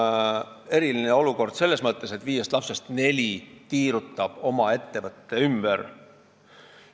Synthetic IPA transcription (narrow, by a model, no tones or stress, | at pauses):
e̞ɾilineo̞luko̞rd̪̥se̞lːe̞smɤt̪ːˑe̞se̞t̪ːviːje̞st̪lɑpse̞st̪ne̞lʲit̪iːɾut̪ːˑɑb̥o̞mɑe̞t̪ːe̞vɤt̪ːe̞ymb̥er